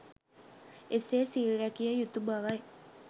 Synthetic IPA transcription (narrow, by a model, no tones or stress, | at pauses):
eseːsiːlɾækijəjut̪ubaʋae